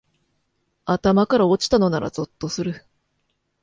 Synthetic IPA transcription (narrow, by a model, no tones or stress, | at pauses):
at̪amakaɾao̞t͡ɕi̥t̪ano̞naɾa̰zo̞t̪ːo̞sɨɾɯ̟